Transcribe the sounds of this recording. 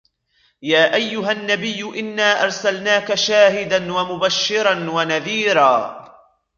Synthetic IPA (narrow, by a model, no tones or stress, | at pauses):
jaːʔajːʊɦanːabɪjːʊʔɪnːaːʔɑɾˤsalnaːkaʃaːɦɪd̪anwamʊbaʃːɪɾˤɑnwanaðiːɾaː